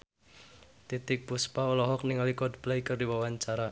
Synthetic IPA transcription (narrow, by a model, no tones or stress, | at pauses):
t̪it̪ɪk̚puspaɔlɔɦɔk̚niŋalikɔd̪b̥lajkərdiwawaɲt͡ʃaɾa